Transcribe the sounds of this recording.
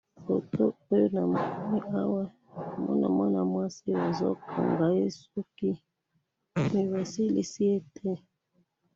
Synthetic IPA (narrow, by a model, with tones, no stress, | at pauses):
o˨to˦o˦jo˦na˨m˨u˦mi˦a˦wa˦˨ | mɔ̰˦na̰˨mɔ˦na˨mwa˦si˦wa˨zɔ̰˦kʰɔ̰˨ŋɡa˨e˦su˦ki˦ | mi˨wa˨si˦li˨si˦e˦tʰɛ˦